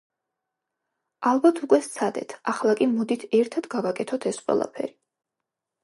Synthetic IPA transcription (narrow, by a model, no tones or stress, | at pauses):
alˠbat̪ʰukʼwɛst̪sʰad̪ɛ̰t̪ʰaχlˠakʼimɔd̪it̪ʰɛɾt̪ʰad̪̥ɡavakʼɛt̪ʰɔt̪ʰɛsqʼwɛ̰lˠa̰pʰɛ̰ɾi